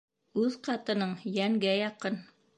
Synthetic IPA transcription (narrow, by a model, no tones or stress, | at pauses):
ʉðqɑt̪ɤ̆nɤɴjæŋɡæjɑqɤn